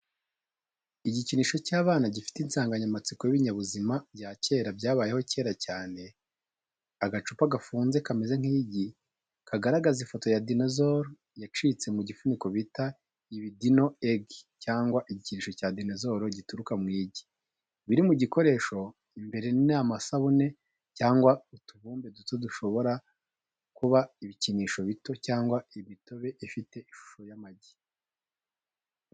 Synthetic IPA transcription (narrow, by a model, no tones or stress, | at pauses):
iɟiciniːʃo̞caːβaːnaɟifi̥tinsaːŋɡaɲamat͡sikojiβiɲaβuzimabɟaːce̞ːɾabɟaːβaːjeho̞ce̞ːɾacaːne̞ | aɡat͡ʃupaɡafuːnze̞kamezaŋ̥iːɟi | kʰaɡaɾaɡazifo̞to̞jadinazoɾo | jat͡ʃiːt͡se̞muɟifuniko̞βita | iβidino̞eɡcaːŋɡwaʔiɟiciniːʃo̞caːdinezoɾoɟituɾukamŋiːɟi̥ | βiɾimuɟiko̞ɾe̞ːʃo̞ | imbe̞ɾe̞ninaːmasaβune̞ | caːŋɡwautuβuːmbe̞dutoduʃo̞βo̞ɾa | kuβaiβiciniːʃo̞βito̞caːŋɡwaiβito̞βe̞ʔifite̞iʃu̥ʃo̞jamaɟi̥